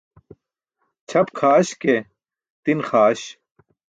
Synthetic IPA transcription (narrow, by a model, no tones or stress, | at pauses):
t͡ɕʰɐpkʰaːɕke | t̪inxaːɕ